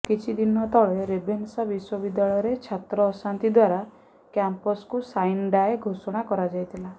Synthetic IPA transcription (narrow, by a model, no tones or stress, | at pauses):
kit͡ʃʰid̪inɔt̪ɔɭeɾebʱensabiswɔbid̪jaɭɔjɔɾet͡ʃʰat̪ɾɔːsant̪id̪waɾa | kjampɔskusajnɖaeɡʱosɔɽ̃akɔɾad͡ʒajt̪ʰila